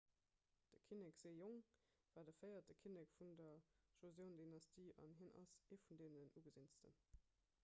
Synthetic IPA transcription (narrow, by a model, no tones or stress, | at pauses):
d̥əkʰinekz̥eːjoŋ | v̥aːɐdəfɜɪɐt̚d̥əkʰinekfundɐʒ̥ozjəʊndinɑstʰiːʔɑ̰nɦinɑ̰seːfundeːnənʔuːɡəzint͡stə̰n